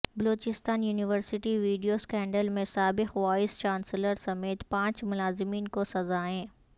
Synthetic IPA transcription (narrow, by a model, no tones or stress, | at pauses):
bɐloːt͡ɕɪst̪aːnjuːnɪʋəɾsɪʈiʋiːɖijoskɛ̃ːɳɖəlmẽsaːbɪxʋaːɪst͡ɕaːnsɪləɾsɐmeːt̪pãːɲt͡ɕmʊlaːzɪmiːnkosɐzaɦẽː